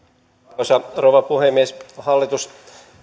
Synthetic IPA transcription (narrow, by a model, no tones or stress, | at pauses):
sɑrowʋɑpuhemːieshɑlːit̪us